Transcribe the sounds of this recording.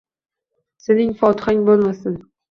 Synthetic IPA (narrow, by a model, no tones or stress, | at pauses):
senɪŋfɒt̪ʰɪ̥χaŋbolˠmasɪn